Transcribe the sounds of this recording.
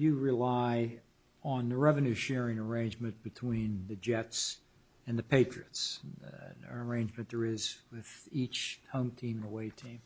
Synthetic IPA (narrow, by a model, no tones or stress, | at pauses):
jɨɹɪlaɪ | ə̃nðɨɹɛvɨ̃nʉʃɛɹɪ̃ŋə˞ẽɪ̃nd͡ʒmɨ̃nb̥ɨtʰw̥ĩnðɨd͡ʒɛts | ɨ̃nðɨpʰeɪt͡ʃɹ̥iɨts | ə˞ẽɪ̃nd͡ʒmɨ̃nðə˞ɪzwɪð̥it͡ʃhõʊ̃mtʰĩmnðəweɪtʰĩm